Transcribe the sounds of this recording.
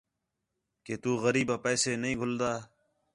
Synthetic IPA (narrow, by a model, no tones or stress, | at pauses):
keːt̪uːɣəɾiːbaːpɛːseːnəɦĩːɡʱʊld̪aː